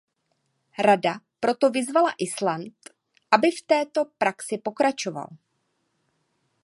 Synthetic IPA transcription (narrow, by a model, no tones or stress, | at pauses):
ɾada | pɾo̞t̪o̞vɪzvalaʔɪslant̪ | ʔabɪft̪ɛːt̪o̞pɾaksɪpo̞kɾat͡ʃo̞va̰l